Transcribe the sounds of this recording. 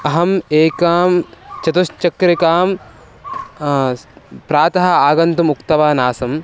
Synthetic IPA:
ɐɦɐmeːkaːmt͡ʃɐt̪uʃt͡ʃɐkɾikaːm | pɾaːt̪ɐɦɐ̆aːɡɐnt̪umukt̪ɐʋaːnaːsɐm

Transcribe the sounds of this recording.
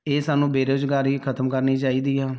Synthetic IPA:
eːsaːnũːbeːɾoːd͡ʒɡaːɾiːkʰət̪əmkəɾniːt͡ʃaːiːd̪iːɦɛː

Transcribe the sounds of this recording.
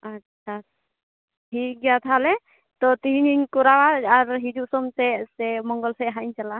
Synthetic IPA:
at͡ʃʰa | ɦiɡɛjat̪ʰalɛ | t̪ɔt̪iɦiɲiɲkɔɾawaaɾɦid͡ʒuʔsɔmt̪ɛsɛmɔŋɡɔlsɛɦaiɲt͡ʃala

